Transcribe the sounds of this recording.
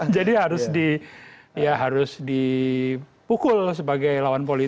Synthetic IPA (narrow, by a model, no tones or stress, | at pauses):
d͡ʒadiɦaɾʊsdi | jaɦaɾʊsdi | pukʊlsəbaɡajlawanpoli